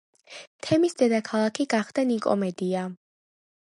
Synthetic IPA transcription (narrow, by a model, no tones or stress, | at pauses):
t̪ʰɛmisd̪ɛd̪akʰalˠakʰiɡaχd̪̥anikʼɔ̰mɛd̪ia